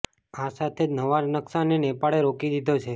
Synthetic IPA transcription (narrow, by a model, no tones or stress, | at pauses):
asat̪ʰed͡ʒnəʋaɾnəksanenepaɭeɾokid̪id̪ʱot͡ʃʰe